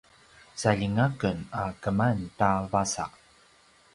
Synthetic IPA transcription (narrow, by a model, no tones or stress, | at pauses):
saʎiŋakənakəmantavasa̰ʔ